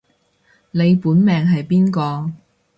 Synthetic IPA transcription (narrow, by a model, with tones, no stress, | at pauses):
ne˨˧jpuː˨˥nmɛː˨ŋɦɐ˨jpiː˥nkɔː˧